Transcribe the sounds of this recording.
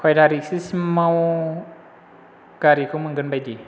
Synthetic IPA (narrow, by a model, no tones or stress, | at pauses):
kʰɔjdaɾisismaw | kaɾikʰumɯŋɡɯnbajdi